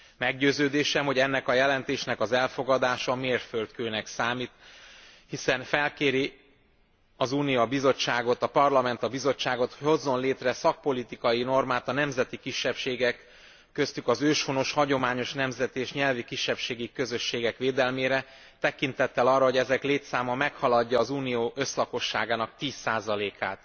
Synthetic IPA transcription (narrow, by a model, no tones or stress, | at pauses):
mɛɡɟøːzøːd̪eːʃɛmho̞ɟɛnːɛkɒjɛlɛnt̪eːʃnɛkɒzɛlfo̞ɡɒd̪aːʃɒmeːrfølt̪køːnɛksaːmit̪ | hisɛnfɛlkeːɾi | ɒzuːnijɒbizo̞t͡ʃːaːɡo̞t̪ɒpɒrlɒmɛnt̪ɒbizo̞t͡ʃːaːɡo̞t̪ho̞zːo̞nleːt̪rɛsɒk̚po̞lit̪ikɒjino̞rmaːt̪ɒnɛmzɛt̪ikiʃːɛpʃeːɡɛkː | ø̞st̪ykɒzøːʃfono̞ʃhɒɟo̞maːɲo̞ʃnɛmzɛt̪eːʃɲɛlvikiʃːɛpʃeːɡikø̞zø̞ʃːeːɡɛkʋeːd̪ɛlmeːɾɛ | t̪ɛkint̪ɛt̪ːɛlɒrːɒɦo̞ɟɛzɛkleːt̪saːmɒmɛkhɒlɒɟːɒːzuːnijoːʔø̞slɒko̞ʃːaːɡaːnɒk̚t̪iːsːaːzɒleːkʰaːt̪